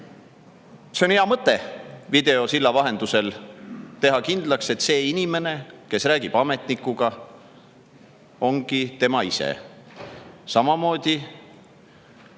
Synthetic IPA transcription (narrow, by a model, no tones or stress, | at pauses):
seo̞neɑmɤt̪ːˑe̞vid̪e̞o̞silːɑvɑɦe̞nd̪̥use̞lt̪e̞ɦɑkind̪̥lɑkse̞t̪ːse̞ːinime̞ne̞ke̞sræːɡ̥ib̥ɑme̞t̪nikːˑuɡ̥ɑ | o̞ŋɡ̥it̪e̞mɑisḛ | sɑmɑmo̞ːd̪̥ʲi